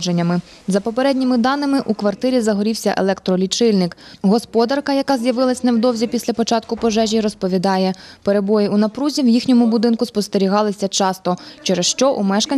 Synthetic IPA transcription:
d͡ʒenʲːɐmɪ | zɐpɔpeɾɛdʲnʲimɪd̪ɑnːɪmɪʔukʋɐrt̪ɪɾʲizɐɦɔɾʲiwsʲɐʔḛlˠɛkt̪ɾɔlʲit͡ʃɪlʲnɪkɦɔspɔd̪ɐrkɐjɐkɑzjɐʋɪlˠɐsʲnɛwd̪ɔwzʲipʲisʲlʲɐpɔt͡ʃɑt̪̚kʊpɔʒɛʒʲiɾɔspɔʋʲid̪ɑjɛpeɾe̞bɔjɪunɐpɾuzʲiwjixnʲɔmʊbʊd̪ɪnkʊspɔst̪eɾʲiɦɑlˠɪsʲɐt͡ʃɑst̪ɔt͡ʃɛɾɛsʃt͡ʃɔʔumɛʃkɐnʲ

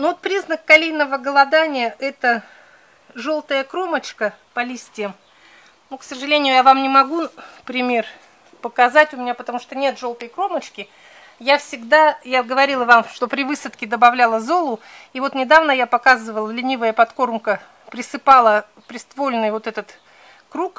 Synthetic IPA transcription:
nuvot̪̚pɾʲiznəkːɐlʲejnəvəɡəlˠɐd̪anʲɪjəʔɛt̪ə | ʐo̞lˠt̪əjəkɾo̞mət͡ɕkəpɐlʲisʲtʲɪjəm | nuksəʐɨlʲenʲɪjʊjavamnʲɪmɐɡupɾʲɪmʲe̞r | pəkɐzatʲʊmʲɪnʲapət̪ɐmuʂt̪o̞nʲe̞t̪ʐo̞lˠt̪əjkɾo̞mət͡ɕkʲɪ | jafsʲɪɡd̪ajaɡəvɐɾʲilˠəvamʂt̪o̞pɾʲɪvɨsət̪kʲɪd̪əbɐvlʲalˠəzo̞lˠʊivo̞t̪nʲɪd̪avnəjapɐkazɨvəlˠəlʲɪnʲivəjəpɐt̪ko̞rmkə | pɾʲɪsɨpalˠə | pɾʲɪst̪volʲnɨjvo̞t̪ɛt̪ət̪ | kɾuk

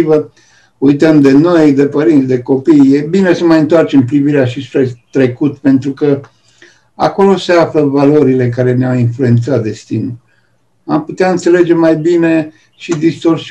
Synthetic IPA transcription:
və | ujt̪əmd̪e̞no̞jd̪e̞pəɾint̪sʲd̪e̞ko̞pijje̞bine̞səmajɨnt̪oart͡ʃe̞mpɾiviɾeaʃispɾe̞t̪ɾe̞kut̪pe̞nt̪ɾukə | a̰ko̞lo̞seafləvalo̞ɾile̞kaɾe̞neawinflue̞nt̪sat̪̚d̪e̞st̪inu | amput̪eaɨnt̪se̞le̞d͡ʒe̞majbine̞ | ʃid̪ist̪o̞rsi

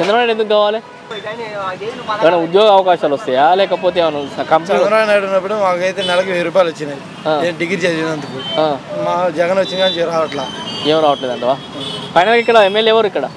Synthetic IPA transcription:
t͡ʃenɾɐbɐnajɽend̪ukːɡaːʋaːle | ɐnɐud̪joːɡɐɐʋɐkaːʃaːlɐst̪ɐjaːlɛːkɐp̬o̞ːt̪eːʋɐnukɐmst͡ʃɐɾɐbnaːjɽunːɐp̬ːuɽumaːkɐjt̪eːnɛlɐkueːɾuːp̬aːjlʋɐt͡ʃːinaji | aːeːɖiɡɾit͡ʃeːsind̪ɐnt̪ukuaːmaːd͡ʒɛɡɐnʋɐt͡ʃːinɡaːt͡ʃiɾaːʋɐʈlaːeːmɾaːʋɐʈleːd̪ɐɳʈ̪ɐʋaː | pʰɐjnɐlkikːɐɽɐemːelɛʋɐɾuikːɐɽɐ

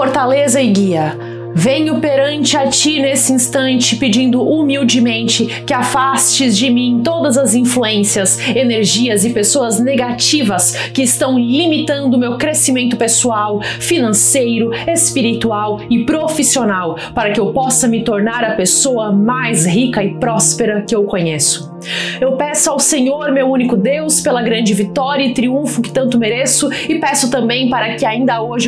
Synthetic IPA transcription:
foɾt̪alezɐɪɡiɐ | vẽɲʊpeɾɐ̃nt͡ʃɪat͡ʃinesɪĩst̪ɐ̃nt͡ʃɪpɪd͡ʒĩnd̪ʊʔumiwd͡ʒɪmẽnt͡ʃɪkɪafast͡ʃɪzd͡ʒɪmĩẽt̪od̪ɐzɐzĩfluẽsiɐseneɾʒiɐzɪpesoɐzneɡat͡ʃivɐskɪːst̪ɐ̃w̃limit̪ɐ̃nd̪ʊːmewkɾesimẽnt̪ʊpesuawfinɐ̃sejɾʊespiɾit̪uawɪpɾofisionaw | paɾɐkɪewpɔsɐmɪt̪oɾnaɾɐpesoɐmajzɦikɐɪpɾɔspeɾɐkɪewkõɲesʊ̥ | ewpɛsʊawsẽɲoɾmewũnikʊd̪ewspelɐɡɾɐ̃d͡ʒɪvit̪ɔɾjɐɪt̪ɾiũfʊkɪ̥t̪ɐ̃nt̪ʊmeɾesʊɪpɛsʊt̪ɐ̃mbẽj̃paɾɐkɪaĩnd̪ɐoʒɪ

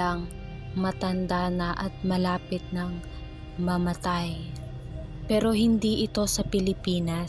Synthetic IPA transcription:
ɐŋ | mɐt̪ɐnd̪aːnɐʔɐt̪̚mɐlaːpɪt̪̚nɐŋ | mɐmɐt̪aj | pɛːɾo̞hɪnd̪iʔɪt̪o̞sɐpɪlɪpiːnɐ

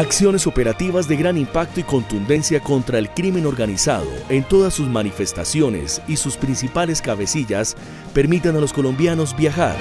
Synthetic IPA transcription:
aksjo̞ne̞so̞pe̞ɾat̪iβazd̪e̞ɣɾanimpak̚t̪oiko̞nt̪und̪e̞nsjako̞nt̪ɾae̞lkɾimẽ̞no̞ɾɣanisa̰ðo̞̰e̞nt̪o̞ðasːusmanife̞st̪a̰sjo̞ne̞̰sisuspɾinsipale̞skaβe̞siʝas | pe̞ɾmit̪analo̞sko̞lõ̞mbjano̞zbjaxa̰ɾ

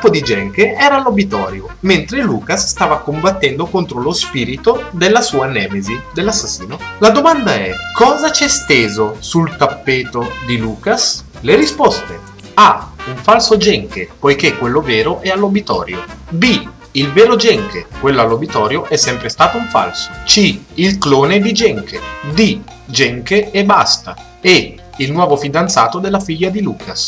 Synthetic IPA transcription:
upːod̪id͡ʒɛŋkeɛːɾaːlːobit̪ɔːɾjo | ment̪ɾeluːkasst̪aːvakombat̪ːɛnd̪okont̪ɾolospiːɾit̪od̪elːasuːanɛːmezid̪elːasːasːiːnolad̪omand̪aɛkʰːɔːzat͡ʃɛst̪eːzosult̪apːeːt̪od̪iluːkas | leɾispɔst̪e | auɱfalsod͡ʒɛŋkepojkekːwelːovɛːɾoʔɛalːobit̪ɔ̰ːɾjo̰bi | ilvɛːɾod͡ʒɛŋkḛkwelːoalːobit̪ɔːɾjoʔɛsːɛmpɾest̪aːt̪ouɱfa̰lso̥t͡ʃiilkloːned̪id͡ʒɛŋkʰḛd̪i | d͡ʒɛŋkeɛbast̪a | ɛ | ilnwɔːvofid̪ant̪saːt̪od̪elːafiʎːad̪iluːkʰas

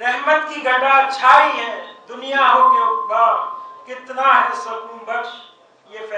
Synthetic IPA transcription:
ɾɛɦmət̪kiɡəɖat͡ʃʰaiɦɛ̃d̪unijaɦopejoɡbakɪt̪naɦɛ̃səkunbəɾʃ | jep

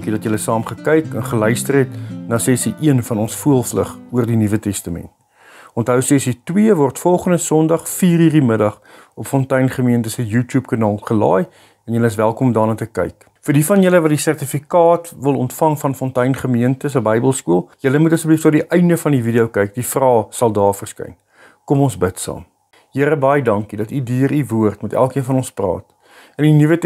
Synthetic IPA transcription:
kidɐtjələsɑːmχəkɛjkɛnχəlœɥstərɦɛtnɑːsɛsiʔiənfɐnɔnsfuəlˠflə̰χuərdinivətɛstəmɛ̰nt | ɔntɦəwsɛsitwiəvɔrtfɔlˠχəndəsɔndɐχfiːriːrimədɐχ | ɔpfɔntɛjnχəmiəntəsəjuːtjuːpkɑnɑːlˠχəlɑ̰ːj | ɛnjələəsvælˠkɔmdɑːnɑːtəkɛ̰jk | fərdifɐnjələvɐt̚disærtifikɑːtvəlˠɔntfɐŋfɐnfɔntɛjnχəmiəntəsəbəjbəlˠskuəlˠjələmutəsəbiftɑdiʔɛjndəfɐndividiəwkɛjk̚difrɑːsɐlˠdɑːrfərskɐ̰jn | kɔmɔnsbətsɑ̰ːm | jiəɾəbɐjədɐŋkidɐtydyəɾivuərtmɛtæ̰lˠkiənfɐnɔnsprɑ̰ːt | əndinivət

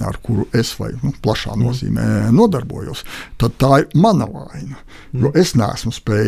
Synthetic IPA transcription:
a̰ɾkuɾuʔesʋa̰jnuplˠaʃa̰ːnuɔzḭːmḛːnuɔd̪aɾbṵɔjṵst̪ad̪̚t̪aːiɾmanɐʋa̰jnɐ | juɔʔesnæ̰ːsmʊspʲɛː

